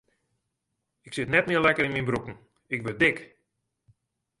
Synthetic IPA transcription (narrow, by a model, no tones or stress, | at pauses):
ɪksɪtnɛtmɪəlɛkərɪnminbrukn̩ | ɪk̚bədɪk